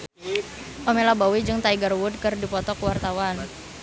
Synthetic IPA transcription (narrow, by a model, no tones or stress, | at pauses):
ʔɔmelabawid͡ʒɨŋt̪aiɡarwud̚kɨrdipɔt̪ɔkwart̪awan